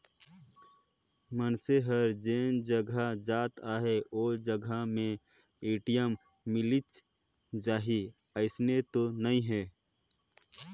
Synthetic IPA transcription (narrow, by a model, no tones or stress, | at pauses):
mənseɦəɾd͡ʒeːnd͡ʒəɡʱad͡ʒaːt̪aːɦeoːd͡ʒəɡʱamẽ | eːʈijəmː | ɪlit͡ʃ | d͡ʒaːɦi | əɪsnet̪onəĩɦeː